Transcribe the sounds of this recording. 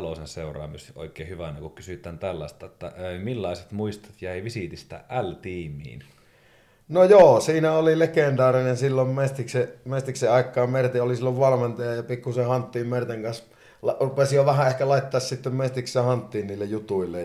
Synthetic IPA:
losenseurˑɑ̰ːmisʔo̰ˑikˑeːhyʋænekukkysyt̪ˑæːnt̪ælːɑ̰st̪ɑet̪ːæ̰emilːɑˑiset̪muist̪ɑ̥t̪jæˑiʋisit̪ist̪æ̰ʔælt̪iːmˑḭːn | nojoːsiːnæolilekend̪ɑːrinensilːommest̪iksemest̪ikseɑˑikːˑɑːmmert̪eolisilːoʋʋɑlment̪ɑjɑjɑpikːusehɑnt̪ːiːmmert̪eŋkɑns | lɑrupesijoʋæhæʔehkælɑˑit̪ːɑːssit̪ːemmest̪iksehɑnt̪ːiːnniːlːejjut̪uilːe

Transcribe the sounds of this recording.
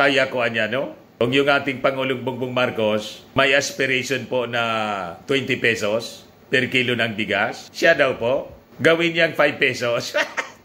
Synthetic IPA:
kaːjakoɐɲano | kʊŋjʊŋʔaːt̪ɪŋpɐŋʊlʊŋbʊŋbʊŋmaɾko̞smɐjʔɐspɪɾɛʃonpoʔnɐt̪wɛnt̪ɪpɛsos | pɛɾkilonɐŋbɪɡasːad̪ɐwpoʔ | ɡɐwɪnjaŋfajb̚pɛsos

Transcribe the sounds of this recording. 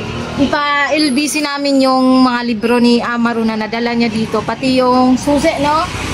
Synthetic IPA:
ʔɪpaʔɪlbiːsɪnaːmɪnjʊŋmɐŋalɪbɾo̞niʔamɐɾunɐnɐd̪ɐlaɲad̪iːt̪o̞pɐt̪ɪjʊŋsuːsɛʔno

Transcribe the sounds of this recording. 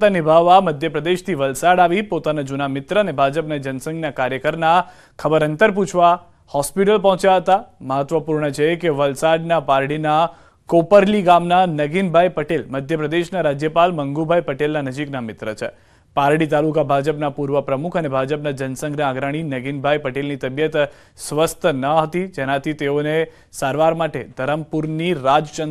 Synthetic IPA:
t̪anɪbʱaʋːaməd̪ʱjəpɾəd̪eʃt̪ʰiʋəlsaɽaʋipot̪anad͡ʒunamɪt̪ɾəːnebʱad͡ʒəpnad͡ʒənsə̃ŋɡnakaɾjəkəɾna | kʰəbəɾənt̪əɾp̬ut͡ʃʰʋa | hɔspiʈəlpɔ̃ɦt͡ʃjaɦət̪aməɦət̪ʋəpuɾɳət͡ʃʰekeʋəlsaɖnapaɾɽina | kopəɾliɡamnanəɡinbʱajpəʈelməd̪ʱjəpɾəd̪eʃnaɾad͡ʒjəpalməŋɡubʱajpəʈelnanəd͡ʒiknamɪt̪ɾət͡ʃʰe | paɾɽit̪alukabʱad͡ʒəpnapuɾʋəpɾəmukʰənebʱad͡ʒəpnad͡ʒənsə̃ŋɡɾiãɡɾaɽ̃inəɡinbʱajpəʈelnit̪əbjət̪ | sʋəst̪ʰnəɦət̪id͡ʒenãt̪ʰit̪eone | saɾʋaɾmaʈed̪ʱəɾəmpuɾniɾad͡ʒt͡ʃə

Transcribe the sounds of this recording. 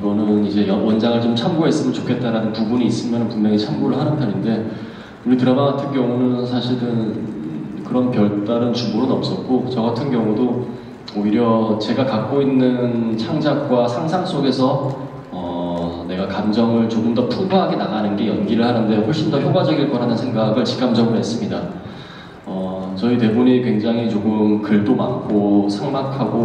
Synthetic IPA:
iɡʌnɯnid͡ʑe̞jʌwʌnd͡ʑaŋɯɭt͡ɕomt͡ɕʰamɡoɦe̞s͈ɯmjʌnt͡ɕokʰe̞t̚t͈aɾanɯnpubuɲiːs͈ɯmjʌnɯnpummjʌŋet͡ɕʰamɡoɾɯɭhanɯnpʰjʌɾinde̞ | uɾitɯɾʌnaɡatʰɯnɡjʌŋunɯnsʰaɕʰiɾɯn | kɯɾʌnpjʌɭt͈aɾɯnt͡ɕumoɾɯnʌp̚s͈ʌt̚k͈ot͡ɕʌɡatʰɯnɡjʌŋudo | oiɾjʌt͡ɕe̞ɡakak̚k͈oinːɯnt͡ɕʰaŋd͡ʑak̚k͈wasʰaŋsʰaŋs͈oɡe̞sʰʌ | ʌne̞ɡakamd͡ʑʌŋɯɭt͡ɕoɡɯmdʌpʰubaɦaɡenaɡanɯnɡe̞jʌnɡiɾɯɭhanɯnde̞ɸoɭɕ͈indʌçjoɡad͡ʑʌɡiɭk͈ʌɾanɯnsʰe̞ŋɡaɡɯɭt͡ɕi̥k͈ʰamd͡ʑʌɡɯɦe̞s͈ɯmɲida | ʌt͡ɕʌit̬e̞buɲikwe̞ŋd͡ʑaŋɦit͡ɕoɡɯmkɯɭdomankʰosʰaŋmakʰaɡo

